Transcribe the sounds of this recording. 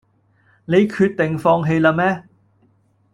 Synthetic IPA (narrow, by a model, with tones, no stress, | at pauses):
ne˨˧jkʰyː˧t̚t̪ɪ˨ŋfɔː˧ŋɦe˧jlaː˧mɛː˥